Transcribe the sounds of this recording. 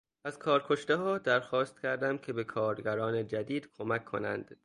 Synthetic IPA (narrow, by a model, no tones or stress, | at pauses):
æzkʰɒːɾkʰo̞ʃt̪eɦɒːd̪æɾxɒːst̪̚cʰæɾd̪æmcʰe̞be̞kʰɒːɾɡæɾɒːned͡ʒæd̪iːd̪̥kʰo̞mækʰːo̞̰næ̰nd̪̥